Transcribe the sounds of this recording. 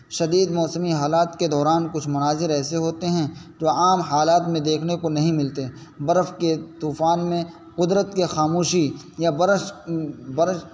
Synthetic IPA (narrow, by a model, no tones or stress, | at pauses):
ʃɐd̪iːd̪mɔːsəmiɦaːlaːt̪ked̪ɔːɾaːnkʊt͡ʃʰmʊnaːzɪɾɛːseɦoːt̪eɦɛ̃ | d͡ʒoːaːmɦaːlaːt̪mẽd̪eːkʰnekonɐɦĩmɪlt̪e | bɐɾəfket̪uːfaːnmẽ | qʊd̪ɾət̪kexaːmuːʃi | jabɾ | bɐɾʃ